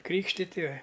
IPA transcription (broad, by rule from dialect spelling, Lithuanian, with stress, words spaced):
ˈkrʲiːkʃʲtʲɪtʲɪ